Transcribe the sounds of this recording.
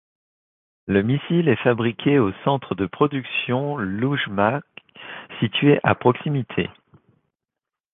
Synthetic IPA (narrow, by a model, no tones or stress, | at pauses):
ləmisilɛfabʁikʲʰeosɑ̃t̪χəd̪əpχɔd̪yksjɔ̃luʒmaksit̪ɥeʔa̰pχɔksimit̪ʰḛ